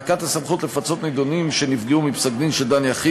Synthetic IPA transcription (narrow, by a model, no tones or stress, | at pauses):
kat̪hasamχut̪lefat͡so̞t̪ned̪onimʃe̞nifɡeumipsaɡdinʃeld̪anjaχi